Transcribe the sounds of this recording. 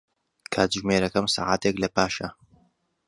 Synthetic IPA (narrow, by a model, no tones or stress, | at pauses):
kʰaːt̪ʒmeːɾɐkɐmsa̰ːʕaːt̪eklɐpaːʃɐ